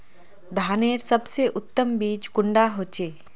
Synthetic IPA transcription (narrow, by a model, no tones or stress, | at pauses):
d̪ʱaːneːɾsɐbseʔʊt̪ːəmbiːt͡ʃɡʊɳɖaɦoːt͡ʃeː